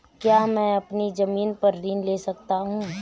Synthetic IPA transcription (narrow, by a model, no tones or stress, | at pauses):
kjaːmɛ̃ːɐpnizɐmiːnpɐɾːiːnleːsɐk̚t̪aɦũː